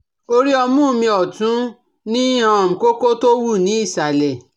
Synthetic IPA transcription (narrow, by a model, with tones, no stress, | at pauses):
o˧ɾi˦ɔ˧mũ˦˧mĩ˧ɔ˨tũ˨˦ | nĩ˦ã˧˨m̩̃˨ko˦ko˦to˦wu˦˨nĩ˨˦i˦˨sa˨lɛ˨